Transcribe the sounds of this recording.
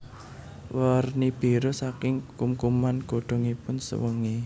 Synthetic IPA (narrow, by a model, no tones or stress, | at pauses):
wərnib̥i̤ɾosakɪŋkumkumanɡ̥o̤ɖ̪̥ɔ̤ŋipʊnsə̰wəŋi